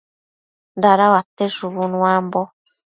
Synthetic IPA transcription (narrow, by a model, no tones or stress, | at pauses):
ndaɾawat̪eʃuβunũambɔ